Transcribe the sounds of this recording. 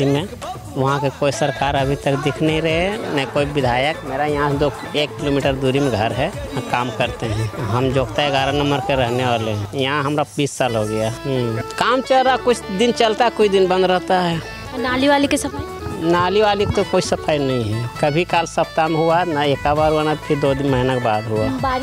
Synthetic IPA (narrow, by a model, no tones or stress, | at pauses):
imẽ | ʋɐɦãkekoːisəɾkaːɾəbʱit̪əkd̪ɪkʰnəɦĩɾəɦenəikoːibɪd̪ʱaːjəkmeːɾajɐɦãd̪o | eːkːiloːmiːʈəɾd̪uːɾimẽɡʱəɾɦɛkaːmkəɾt̪eɦɛ̃ɦəmd͡ʒoːɡt̪aeɡʱaɾanəməɾkeɾəɦneʋaːlẽjɐɦãɦɐmɾabiːsːaːlɦoɡəjakaːmt͡ʃəlɾakʊt͡ʃʰd̪ɪnt͡ʃəlt̪aɦɛkʊid̪ɪnbə̃nd̪ɾəɦt̪aɦɛ | naːliʋalikesɐpʰa | naːliʋaːlikt̪okoːisəpʰaːjnɐɦĩɦɛkəbʱikaːlsɐp̚t̪ameɦuanaekabaɾɦuwanat̪pʰɪɾd̪oːd̪ɪnməɦinakbaːd̪ɦuaa